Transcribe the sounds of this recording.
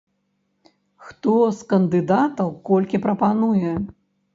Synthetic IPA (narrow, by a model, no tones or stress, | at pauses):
xt̪ɔskɐnd̪ɨd̪at̪ɐwkɔlʲkʲipɾɐpanujɛ